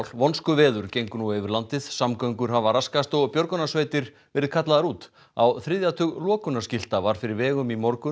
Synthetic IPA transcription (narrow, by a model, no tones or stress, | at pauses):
l̥vɔnskʏvɛːðʏɾ̥cejŋkʏnuevɪɾlant̪ɪðsamkœɥŋkʏɾ̥ɦavaɾaskast̪ɔɣpjɔɾkʏnasveːjt̪ɪɾ̥vɛːɾɪðkʰat̪laðaɾuːt̪ | a̰wθɾɪðjat̪ʰʏɣlɔːkʏnascɪl̥t̪avaɾ̥fɪɾɪɾvɛːɣʏmimɔɾkʏ